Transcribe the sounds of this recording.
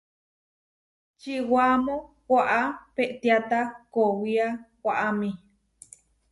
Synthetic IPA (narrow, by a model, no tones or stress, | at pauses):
t͡ʃiwamõ | kʷaʔapeʔt̪iat̪akowiakʷaʔamĩ